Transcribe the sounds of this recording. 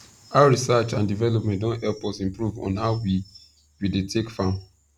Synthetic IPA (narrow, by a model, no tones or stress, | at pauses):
aʊɹisat͡ʃãndivɛlɔpmɛ̃nt̚dõnthɛlpɔsĩmpɹuvɔ̰̃nhaʊwi | widetʰekfã